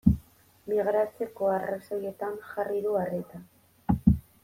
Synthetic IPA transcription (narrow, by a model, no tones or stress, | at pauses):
miɣɾasoko̞araso̞je̞t̪anʝariðuaret̪a